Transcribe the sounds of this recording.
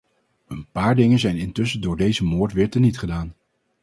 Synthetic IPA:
ənpaːɹdɪŋənzɛjnɪntɵsədʊːɹdejzəmoːɹtʋɪːɹtənitχədaːn

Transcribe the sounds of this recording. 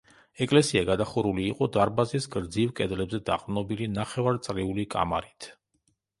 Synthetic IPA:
ɛkʼlɛsiaɡad̪aχuɾuliːqʼɔd̪aɾbazisɡɾd̪zivkʼɛd̪lɛbzɛd̪a̰qʼvnɔbilinaχɛvaɾt̪sʼliulikʼa̰ma̰ɾit̪ʰ

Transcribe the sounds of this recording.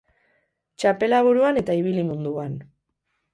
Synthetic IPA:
t͡ʃape̞laβ̞uɾuane̞t̪aiβ̞ilimund̪uan

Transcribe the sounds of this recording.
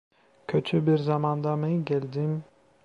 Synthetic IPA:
cʰøt̪ʰybiɾzamɑnd̪amɛɟɛlʲd̪im

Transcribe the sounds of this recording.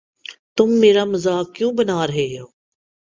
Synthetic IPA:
t̪ʊmːeːɾaːməzaːkːjũːbənaːɾəɦeːoː

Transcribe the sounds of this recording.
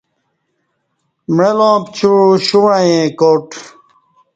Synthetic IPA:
mɻelõːpt͡ɕuɻuɕuɻajẽːkoːʈ

